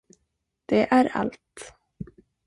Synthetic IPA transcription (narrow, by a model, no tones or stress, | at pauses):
d̪̥ɛʔæɾa̰lt̪